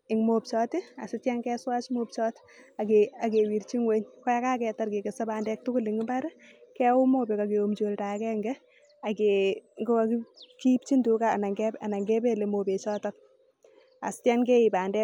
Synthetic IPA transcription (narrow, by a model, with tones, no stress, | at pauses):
i˨ŋmo˨pt͡ʃɔ˦ti˦a̰˨sɪ˦tɛ˦ŋkɛ˦swa˦t͡ʃmo˦p̚t͡ʃɔ˦t | a˨kea˨ke˨wi˨ɾt͡ʃi˦ŋwe˦ɲkɔ˦a˦ka˦kɛ˨ta˦rke˨ke˨se˦ba˨ndɛ˦k̚tʊ˦kʊ˦liŋɡi˦ba˦ɾ | kɛ˦wʊ˦mo˦be˨ka˨keo˨md͡ʒo˨lta˨kɛ˦ŋɡɛ˦ | a˨keŋɡo˦ki˦ki˦p̚t͡ʃi˦ndu˨kaː˨na˨ŋɡɛa˨na˨ŋɡe˦be˦le˨mo˨pe˨t͡ʃɔː˦tɔk̚ | a̰˨sɪ̥˦tɛ˦ŋke˦i˨ba˨ndɛ˦